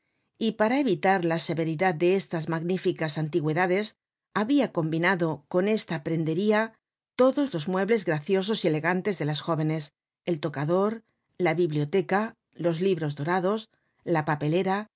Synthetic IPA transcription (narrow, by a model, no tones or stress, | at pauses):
ipaɾae̞βit̪aɾlase̞βe̞ɾiðad̪̚d̪e̞est̪azmaɣnifikasant̪iɣwe̞ðaðe̞s | aβiako̞mbinaðo̞ko̞ne̞st̪apɾe̞nd̪e̞ɾia | t̪o̞ðo̞zlo̞zmwe̞βle̞zɣɾaθjo̞s̬o̞sie̞le̞ɣant̪e̞zðe̞lasxo̞βe̞ne̞s | e̞lt̪o̞kaðo̞ɾ | laβiβlio̞t̪e̞ka | lo̞zliβɾo̞zðo̞ɾaðo̞s | lapape̞le̞ɾa